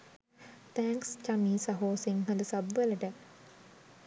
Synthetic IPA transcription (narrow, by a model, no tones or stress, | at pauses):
t̪ʰæŋkst͡ʃamiːsɐɦoːsiŋɦɐd̪əsɐbʋeləʈə